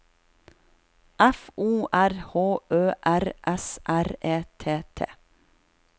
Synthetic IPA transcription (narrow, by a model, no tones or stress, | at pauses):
ʔæfuːʔæɾhoːʔøːʔæɾʔɛsʔæɾeːt̪ʰeːt̪ʰḛː